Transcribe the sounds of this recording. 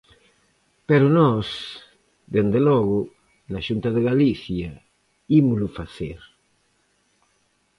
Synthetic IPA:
peɾʊnɔs | d̪end̪elɔɣʊ | naʃunt̪aðeɣaliθja | imʊlʊfaθeɾ

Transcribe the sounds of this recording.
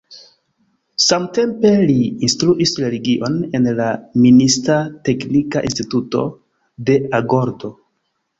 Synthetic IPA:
samte̞mpe̞liːnstɾuʔisɾe̞liɡiʔo̞ne̞nlaministate̞knikaʔḭnstituto̞̰ | de̞aɡoɾdo̞

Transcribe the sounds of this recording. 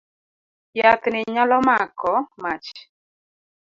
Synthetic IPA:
jat̪nɪɲalɔmakɔmat͡ʃ

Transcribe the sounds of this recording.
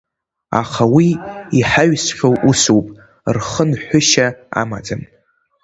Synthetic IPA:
a̰χawiiħaɥsχʲowʔusuwpʼ | rχənħʷʊʃaa̰ma̰d͡zam

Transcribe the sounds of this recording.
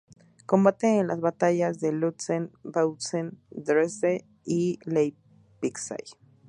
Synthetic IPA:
ko̞mbat̪eːnlazβat̪aʝazðe̞lut̪senbawsend̪ɾese | ilej | piksa̰j

